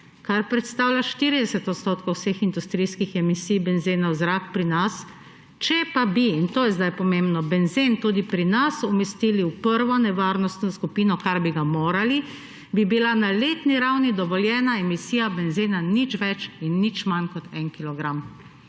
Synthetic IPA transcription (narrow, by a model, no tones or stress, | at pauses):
kaɾpɾɛt̪st̪aːwlʲjaʃt̪iːɾid̪ɛsɛt̪ɔt̪st̪oːt̪kowsexind̪ust̪ɾijskixɛmisijbɛnzeːnɔwzɾakpɾinas | t͡ʃɛpabiːnt̪oːjɛzd̪ajpɔmembnɔbɛnzent̪uːd̪ipɾinasɔmɛst̪iliupəɾʋɔnɛʋaːɾnɔst̪nɔskupiːnɔkaɾbiɡamoːɾali | bibilanaleːt̪niɾawnid̪ɔʋɔljɛːnaɛmisiːjabɛnzenanit͡ʃʋɛt͡ʃinːit͡ʃmankɔt̪ɛnkilɔɡɾam